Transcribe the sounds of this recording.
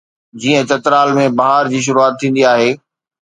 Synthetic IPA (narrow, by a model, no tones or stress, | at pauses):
d͡ʑiːə̃t͡ɕɐt̪ɾaːlmẽbɐɦaːɾd͡ʑiːʃ̬ʊɾuaːt̪ʰːĩːn̆d̪iaːɦeː